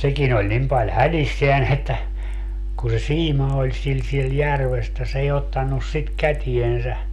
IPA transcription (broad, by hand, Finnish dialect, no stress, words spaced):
sekin olʲ nim pɑlʲ hælisːeæn etːæ kun̞ se siːmɑ olʲ sil siel jærʋes etːæ s ei otːɑnːus sit kætiensæ